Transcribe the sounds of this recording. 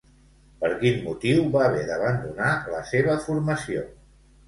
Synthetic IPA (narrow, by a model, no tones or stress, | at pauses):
pəɾkinmut̪iwβaβɛðəβənd̪unaləseβ̞əfuɾməsio̰